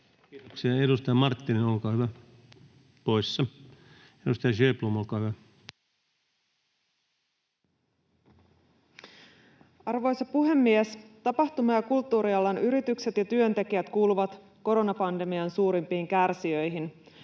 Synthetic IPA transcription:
oksiɑedust̪ɑjɑmɑrt̪ːininolkɑʋæ | poisːɑ | edust̪ɑjɑʃøːplumolkɑjʋæ | ɑrʋo̞jsɑpuɦe̞mːiest̪ɑpɑht̪umɑjɑkult̪ːuːɾiɑlːɑnyɾit̪ykse̞t̪jɑt̪yø̞nt̪e̞k̟iæt̪kuːluʋɑt̪ | ko̞ɾo̞nɑpɑnde̞miɑnsuːɾimpiːŋkærsiø̞jɦin

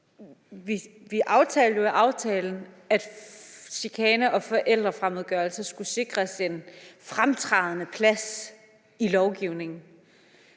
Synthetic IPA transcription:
ʋiʋiʔɑ̈ʊt͡sʰɛ̰ːldjoæʔɑ̈ʊt͡sʰɛːln̩ | æd̥sikʰɛːnəʔɒ̽fɒ̽ʔel̰d̥ʁɐfʁamoðˠɡ̥ɶɐlsəsɡ̥use̝ɡ̥ʁɐsenfʁamt͡sʰʁɑ̈ð̞ˠnəpʰlæs | ilɒʊɡ̥iʊne̝ŋn̩

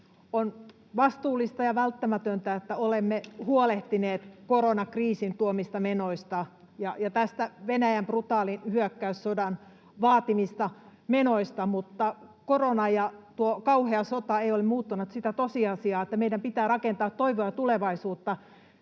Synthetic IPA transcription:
on | ʋɑst̪uːlːˑist̪ɑjɑʋælt̪ːæmæt̪ønt̪æet̪ːæolemːehuoleht̪ineːt̪koronɑkriːsint̪uomist̪ɑmenoist̪ɑ | jɑjɑt̪æst̪æʋenæjæmprut̪ɑːlinhyøkːæyssodɑn | ʋɑːt̪imist̪ɑmenoist̪ɑmut̪ːɑkoronɑjɑt̪uokɑuheɑsot̪ɑeiolemmuːt̪ːunɑt̪sit̪æt̪osiɑsiɑːet̪ːæmeidæmpit̪æːrɑkent̪ɑːt̪toiʋoɑt̪uleʋɑisuːt̪ːɑ

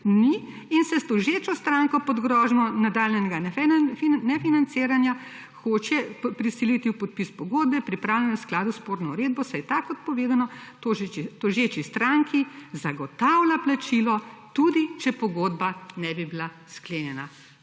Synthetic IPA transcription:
ni | insɛst̪oʒeːt͡ʃɔst̪ɾaŋkɔpɔd̪ɡɾɔʒnɔnad̪aːljɛnɛɡanɛinɛfinant̪seːɾanja | xot͡ʃɛpɾisilit̪iwpɔt̪̚pispɔɡoːd̪̚bɛpɾipɾaːwlʲjɛnɛsklaːd̪uspoːɾnɔuɾeːd̪̚bɔsajt̪akːɔt̪̚pɔʋeːd̪anɔt̪oʒit̪oʒet͡ʃist̪ɾaŋkʰizaɡɔt̪awlaplat͡ʃilɔt̪ud̪it͡ʃɛpɔɡoːd̪banɛbibila | skleːnjɛna

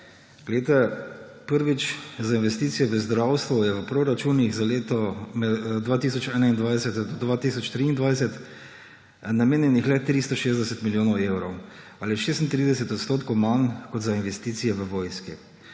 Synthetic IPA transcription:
ɡlɛt̪ɛpəɾʋit͡ʃzainʋɛst̪iːt̪sijɛʋəzd̪ɾawst̪ʋɔjɛʋəpɾoɾat͡ʃuːnixzaleːt̪ɔmɛd̪ʋaːt̪isɔt͡ʃɛːnaind̪ʋajsɛt̪d̪ɔd̪ʋaːt̪iːsɔt͡ʃt̪ɾiːnd̪ʋajsɛt̪ | nameːnjɛnixlɛt̪ɾist̪ɔʃeːzd̪ɛsɛt̪miljoːnɔwewɾɔw | aliʃeːst̪nt̪ɾid̪ɛsɛt̪ɔt̪st̪oːt̪kowmankɔd̪zainʋɛst̪iːt̪sijɛʋəʋoːjski

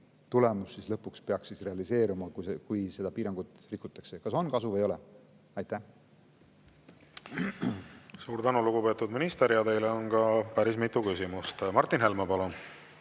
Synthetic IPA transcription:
t̪ule̞musːislɤpːˑukspe̞ɑksisre̞ɑlise̞ːɾumɑkuekujse̞d̪̥ɑpiːɾɑŋɡ̥ut̪ˑrikːˑut̪ːˑɑkse̞kɑso̞nkɑsuvejo̞lɛ | ɑjt̪ːæh | suːɾt̪ænuluɡ̥upe̞t̪ːˑud̪minist̪eɾijɑt̪e̞jleonkɑpæɾismit̪ːˑukysimust̪mɑrt̪ːˑinɦe̞lmepɑlon

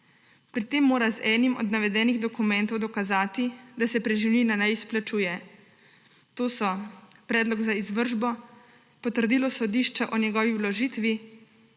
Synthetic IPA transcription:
pɾit̪eːmːoːɾazɛːnimɔ̰d̪naʋɛd̪ɛːniɣd̪ɔkumɛnt̪ɔwd̪ɔkazaːt̪id̪asɛpɾɛʒiwninanajisplat͡ʃuːjɛ | t̪oːsɔpɾɛːd̪lɔɡzaizʋəɾʒbɔ | pɔt̪əɾd̪iːlɔsɔd̪iʃt͡ʃaʔɔnjɛɡɔːʋiwlɔʒiːt̪ʋi

